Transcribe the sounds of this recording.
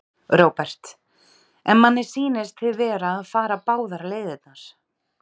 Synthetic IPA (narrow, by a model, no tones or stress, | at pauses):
ɾoːwpɛr̥t̪ | ɛnmanːɪɾ̥siːnɪst̪ʰɪðvɛːɾaːðfaːɾapaːwðaɾleːjðɪt̪nas